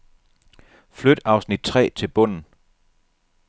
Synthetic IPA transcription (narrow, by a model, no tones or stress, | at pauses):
flød̥ɑ̈ʊsnid̥̚t͡sʰʁɛ̰ːt͡sʰe̝lb̥ɔ̽n̰n̩